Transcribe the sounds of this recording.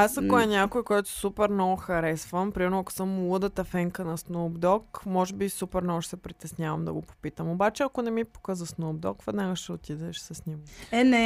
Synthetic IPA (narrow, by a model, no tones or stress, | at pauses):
asɐkoɛnʲakoikɔɔjt̪o̥supɛɾnɔɡoxɐɾɛsvəmpɾimɛɾnoɐko̥səmulˠəd̪ət̪ɐfɛŋkənɐsnoːbd̪ɔkmɔʒɛbisupɛɾnɔɡoʃɛ̥sɛpɾit̪ɛsnʲavɐmd̪ɐ̰ɡopo̥pit̪əmobat͡ʃɛɐkonɛmipo̥kəzɐsnoːb̚d̪ɔkvɛd̪naɡəʃɛot̪id̪ɛʃsəsnʲimɛnɛ